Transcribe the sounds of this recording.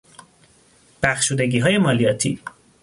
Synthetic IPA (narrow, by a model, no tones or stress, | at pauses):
b̥æxʃuːd̪e̞ɟiːɦɒːje̞mɒːlijɒːt̪ʰḭː